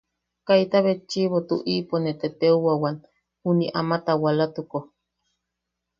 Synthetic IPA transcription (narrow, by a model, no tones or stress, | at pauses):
kajt̪aβet͡ʃːiβot̪uʔiponet̪et̪euwawan | huniʔa̰mat̪awalat̪uko